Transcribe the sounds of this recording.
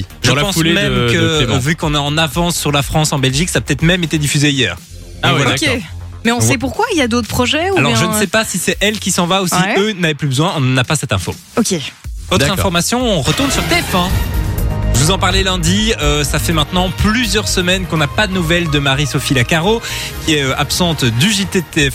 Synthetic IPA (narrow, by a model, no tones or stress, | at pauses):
ʒəpɑ̃slmɛmkəvykɔ̃naɑ̃navɑ̃sːyʁlafχɑ̃sɑ̃bɛlʒiksaːpə̥t̪ɛt̪χmɛmet̪ed̪ifyzeijɛːʁ | awoke | mɛɔ̃sɛpuʁkwailjad̪ot̪χəpχɔʒɛualɔʁʒənəsɛpasisɛɛlkʲisɑ̃vausiønavɛplybəzwɛ̃ɔ̃ñnapasɛt̪ɛ̃fo̰ | okʲevɔt̪χɛ̃fɔʁmasjɔ̃ɔ̃ʁət̪uʁnsyʁt̪eɛfɛ̃ | vuzɑ̃paʁlelɛ̃d̪iøsafɛmɛ̃t̪nɑ̃plyzjœʁsəmɛnkɔ̃napad̪ənuvɛld̪əmaʁisɔfilakaʁo | kʲiɛøapsɑ̃t̪d̪yʒit̪et̪eɛf